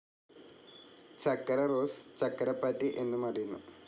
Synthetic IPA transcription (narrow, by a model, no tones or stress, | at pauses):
t͡ɕɐkːɐɾɐroːst͡ɕɐkːɐɾɐpːaːtːiʔe̞nːumɐrijunːu